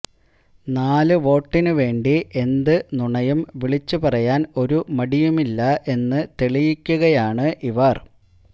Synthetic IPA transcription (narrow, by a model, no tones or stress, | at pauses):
naːlɨʋo̞ːʈːinɨʋe̞ːɳɖiʔe̞nd̪ɨnuɳɐjumʋiɭit͡ɕːupɐrɐjaːno̞ɾumɐɽijumilːɐʔe̞nːɨt̪eɭijikʲːuɣɐjaːɳɨʔiʋɐr